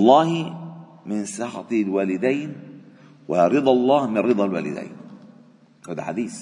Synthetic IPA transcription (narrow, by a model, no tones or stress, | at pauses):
ɑlˤːɑːh | mɪnsɪħɑt̪ˤilwaːlɪd̪ajn | waɾɨd̪ˤɑlˤːɑːhmɪnɾɨd̪ˤɑlwa̰ːlɪ̰d̪a̰jn | kʊd̪ħa̰d̪iːz